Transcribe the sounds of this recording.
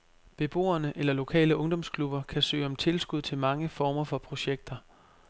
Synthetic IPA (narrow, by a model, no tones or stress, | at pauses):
b̥e̝b̥o̝̰ːɐnəʔelɐlo̝kʰɛ̰ːləʔɔ̽ŋd̥ɒ̽mskʰlub̥ɐkʰæsø̰ːɒ̽mt͡sʰe̝lsɡ̥uð̞̰ˠt͡sʰe̝lmɑ̈ŋəfɒːmɐfɒ̽pʰʁo̝ɕeɡ̥̚d̥ɐ